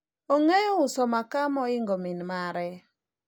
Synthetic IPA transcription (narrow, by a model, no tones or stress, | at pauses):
oŋejɔʊsɔmakamɔɪŋɡɔminmaɾɛ